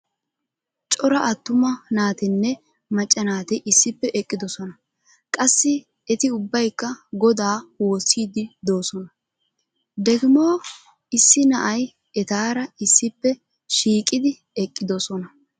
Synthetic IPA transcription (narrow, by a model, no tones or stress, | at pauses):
t͡ʃʼɔɾɐʔɐt̪ːʊmɐnaːt̪ɪnːɛ | mɐt͡ʃʼːɐnaːt̪ɛʔɪsːɪpːɛʔɛkʼːɪd̪ɔsɔnɐ | kʼɐsːɪ | ɛt̪ɪʊbːɐjkːɐɡɔd̪aːwoːsiːd̪ɪd̪o̞ːsɔnɐ | d̪ɛkɪmo̞ː | ɪsːɪnɐʔɐj | ɛt̪aːɾɐɪsːɪpːɛ | ʃiːkʼɪd̪ɪ | ɛkʼːɪd̪ɔsɔnɐ